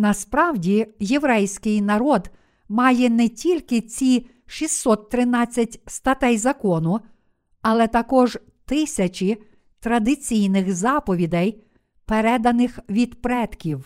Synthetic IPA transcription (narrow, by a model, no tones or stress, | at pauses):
nɐspɾɑwdʲijeʋɾɛjsʲkɪjnɐɾɔd̪ | mɑjɛnɛtʲilʲkɪt͡sʲi | ʃʲisːɔt̪ːɾɪnɑt͡sʲːɐtʲst̪ɐt̪ɛjzɐkɔnʊ | ɐlˠɛt̪ɐkɔʒ | t̪ɪsʲɐt͡ʃʲi | t̪ɾɐd̪ɪt͡sʲijnɪxzɑpɔʋʲid̪ɛj | peɾɛd̪ɐnɪxʋʲid̪pɾɛt̪kʲiw